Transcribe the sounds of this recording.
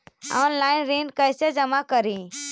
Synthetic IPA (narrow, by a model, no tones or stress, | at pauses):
a̰nlaɪnɾinɖkəjsed͡ʒəmakəɾĩ